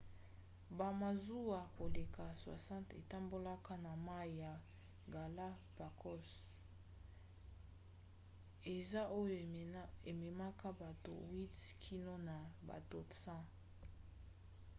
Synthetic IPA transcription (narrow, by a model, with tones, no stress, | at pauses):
ba˨ma˨zu˦a˨ko˨le˨ka˨swa̰˨sã˦tḛ˨ta˦mbo˦la˦ka˦na˨ma˦i˨ja˨ | ɡa˨la˦ | pa˨kʰɔ˦s | e˨za˦ʔo˦jo˦e˨me˨ma˦ka˦ba˨to̰˨wi˦tkʰi˦no˦na˨ba̰˨to˦tsã˦